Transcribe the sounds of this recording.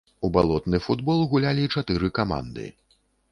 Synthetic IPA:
ubalˠɔt̪nɨfud̪bɔlˠɣulʲalʲit͡ʂat̪ɨɾɨkama̰nd̪ɨ̰

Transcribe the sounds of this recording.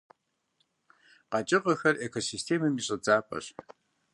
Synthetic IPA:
qɑt͡ʃʼɪqɐxɐrʔekʰosiːstʰeːmɨmiɕʼɐd͡zaːpʼɐ̰ɕ

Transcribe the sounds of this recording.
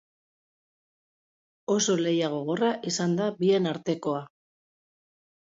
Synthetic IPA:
o̞so̞le̞jaɣ̞o̞ɣ̞o̞raʔisand̪abie̞naɾt̪e̞ko̞a

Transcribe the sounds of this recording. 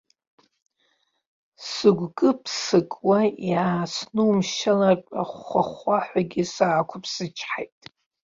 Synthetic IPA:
sɨɡʷkʼɨpʰsɨkʼwajaːsnɨmʃalarʼa̰χʷaχʷaħʷaɡʲɪsaːkʷʰʊpʰsɨt͡ʃʰħajtʼ

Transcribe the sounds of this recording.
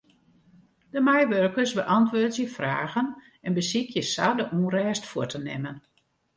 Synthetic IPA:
d̥əmɛjʋørkərsbəʔɑntʋʊːtjəfraːɣən | ɛnbəsikʰjəsadəʔurɛːstfuətənɛ̰mən

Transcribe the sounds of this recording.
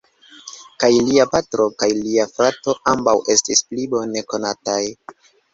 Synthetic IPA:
kajliapatɾo̞kajliafɾato̞ambawʔe̞stisplibo̞ne̞ko̞nataj

